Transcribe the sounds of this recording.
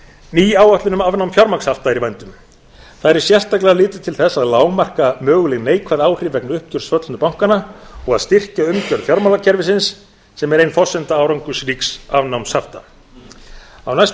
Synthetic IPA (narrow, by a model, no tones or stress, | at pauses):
niːaːwaht̪lʏnʏmavnawmfjɔɾmakshaft̪aɾivajnt̪ʏm | θaðɾɛɾ̥sjɛr̥t̪ajklɛɣalɪːt̪ʏ̥t̪ʰɪlθɛsːaðlaːwmar̥kamœːɣʏlɛɣneːjkʰvaðaːwr̥ɪvɛknʏhp̚c̪ʏɾ̥svœt̪lnʏpawŋ̥kanaɔɣaðst̪ɪr̥caʏmcœɾð̥fjaɾmawlacʰɛɾvɪsɪnsː | ɛmɛɾejnfɔsɛnt̪aaːwɾaŋkʏsɾiːksavnawmshaft̪a | a̰wnajs